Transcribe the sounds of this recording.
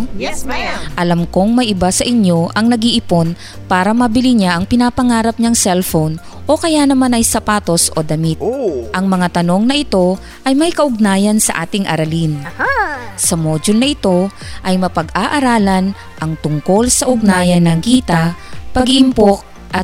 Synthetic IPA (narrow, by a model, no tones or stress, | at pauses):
ʔɐlamko̞ŋmɐjʔɪbasɐʔɪɲjo̞ʔɐŋnɐɡɪʔɪpo̞n | paːɾɐmɐbɪliɲaʔɐŋpɪnapɐŋaːɾɐp̚ɲɐŋsɛlfown | ʔo̞kɐjanɐmanɐjsɐpaːt̪o̞sʔo̞̰d̪ɐmit̪̚ʔɐŋmɐŋat̪ɐno̞ŋnɐʔɪt̪o̞ | ʔɐjmɐjkɐʔʊɡ̚naːjɐnsɐ̰ʔa̰ːt̪ɪŋʔɐ̰ɾɐlin | sɐmoːd͡ʒonɐʔɪt̪o̞ʔɐjmɐpɐɡʔaːʔɐɾaːlɐn | ʔɐŋt̪ʊŋko̞lsɐʔʊɡ̚naːjɐnːɐŋkiːt̪ɐpɐɡʔɪmpok̚ | ʔɐt̪̚